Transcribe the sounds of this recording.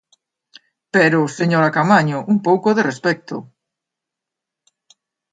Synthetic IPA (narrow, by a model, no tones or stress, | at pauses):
peɾʊseɲoɾakamaɲʊʔuŋpowkʊðerespɛk̚t̪ʊ̰